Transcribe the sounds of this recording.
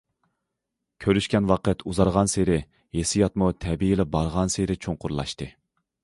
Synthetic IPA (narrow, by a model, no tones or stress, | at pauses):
kʲʰøɾyʃkʲɛnwɑqət̪ʰuzɑɾʁɑnseɾɪ | jesɪjɑt̪mut̪ʰɛbijilɪbɑɾʁɑnseɾɪt͡ʃʰoŋqʊɾlˠɑ̰ʃt̪ɨ